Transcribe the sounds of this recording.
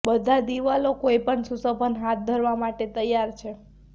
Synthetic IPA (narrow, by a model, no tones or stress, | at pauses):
bəd̪ʱad̪iʋalokoipəɳsusəbʱənɦat̪̚d̪ʱəɾʋamaʈet̪əjːaɾt͡ʃʰe